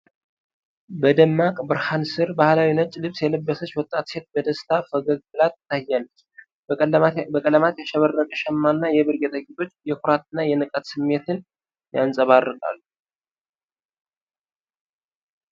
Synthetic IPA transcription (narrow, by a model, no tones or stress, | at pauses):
bəd̪əmːakʼbɨɾhansɨɾbahlawinət͡ʃʼːlɨβsjɛləbːəsət͡ʃːwɔt̪ʼːat̪se̞t̪̚bəd̪əst̪ʰafəɡəɡɡɨlat̪t̪ːajːalː | bəkʼələmat̪jɛʃɛβərːəkʼəʃɛmːanːajɛβɨɾɡɛt̪ʼəkʼːit̪ʼo̞t͡ʃːjɛkʰʊɾat̪ɨnːajɛnɨkʼət̪sɨmːe̞t̪ɨn | jansʼəβarːɨkʼa̰lːu